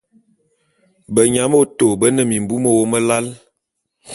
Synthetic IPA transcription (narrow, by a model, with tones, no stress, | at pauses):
bə˨ɲa˨˦mo˦to˨bə˦nə˨mi˨m˨bu˦mə˦wo˦mə˦la˦l